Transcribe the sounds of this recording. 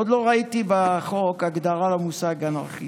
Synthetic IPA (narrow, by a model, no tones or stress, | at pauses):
od̪lo̞ʁait̪ibaχokaɡd̪aʁalamusaɡana̰ʁχi